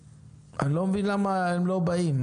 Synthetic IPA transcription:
anlomvinlamaemlobaim

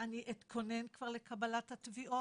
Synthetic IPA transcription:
aniʔit̪kʰonenkv̥aʁlekabalat̪hat̪viʔo

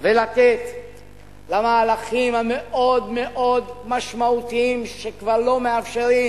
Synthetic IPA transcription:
velat̪et̪ | lamaːlaχimhame̞ʔo̞d̪me̞ʔo̞d̪maʃmaut̪iimʃekvaʁlo̞meafʃeʁi

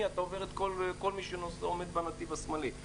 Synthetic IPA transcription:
iat̪aove̞ʁet̪kolko̞lmiʃenosomed̪̚banat̪ivasmali

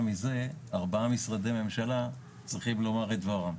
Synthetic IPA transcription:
mize̞aʁbaamisʁad̪eme̞mʃala | t͡sʁiχimlo̞maʁet̪vaʁam

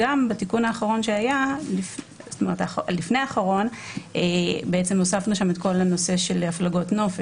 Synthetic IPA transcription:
ambatikunhaːχaʁo̞nʃeajalif | st̪ome̞ʁetalifneaːχaʁo̞nʔebeet͡se̞mosafnuʃamet̪ko̞lano̞se̞ʃe̞lhaflaɡo̞tno̞fe

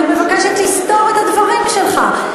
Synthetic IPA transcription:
bemakaʃɛt̪ist̪ɔʁɛt̪ad̪vaʁimʃəlχa̰

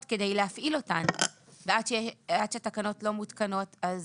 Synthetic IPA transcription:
tke̞dejleafʔilo̞tandeat̪ʃeeatʃeatakano̞tlo̞mutkano̞taz

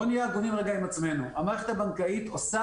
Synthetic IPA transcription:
onijaɡuvimʁeɡaimat͡sme̞nuamaːʁeχetabankait̪osa

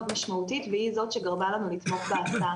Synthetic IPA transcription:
tmaʃmautit̪vehizo̞tʃeɡaʁbalanulit̪mo̞χbeata

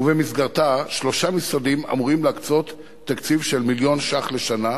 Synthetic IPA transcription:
uvemisɡaʁt̪aʃlo̞ʃamisʁad̪ima̰muʁimleakt͡so̞t̪ː | akt͡sivʃe̞lmiljo̞nʃaχle̞ʃana

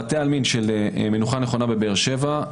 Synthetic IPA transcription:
atealminʃelmenuχaneχo̞nabe̞beʁʃe̞va

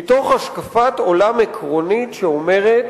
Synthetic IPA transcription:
ito̞χaʃkafato̞lamekʁo̞nitʃeo̞me̞ʁet

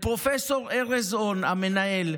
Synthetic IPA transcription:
pʼrɔfɛsɔrɛrɛzɔnamɛnajɛːlɛ

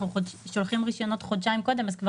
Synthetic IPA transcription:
uoʃolχimʁiʃo̞no̞t̪χod̪ʃajimko̞d̪e̞mazkva

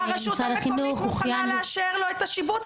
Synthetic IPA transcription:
aʃusalaχinuχuχjamlaʃeʁloet̪aʃibu

